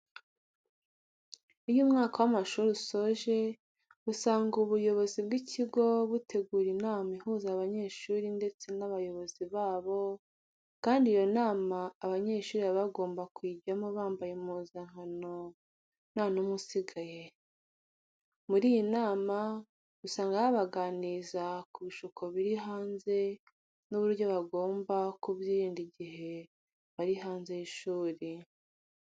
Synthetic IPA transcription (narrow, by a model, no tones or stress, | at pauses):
ijumŋaːkawamaʃuɾusoʒe̞ | usaːŋɡuβujo̞βo̞zibɡicʰiɡo̞βutʰe̞ɡuːɾinaːmaihuzaβaɲe̞ːʃuːɾinde̞t͡se̞naβajo̞βo̞ziβaːβo̞ | kaːndijo̞naːmaːβaɲe̞ːʃuːɾiβaβaɡo̞ːmbakwiːɟamoβaːmbajemuːzaŋhɦano̞ | nanomusiɡaje̞ | muɾiːjinaːma | ɡusaːŋɡahaβaɡaːnizakuβiʃukʰo̞βiɾiɦaːnze̞ | nuβuɾjoβaɡo̞ːmbakuβjiːɾiːndiɟiɦe̞ | βaɾiɦaːnze̞jiʃuːɾi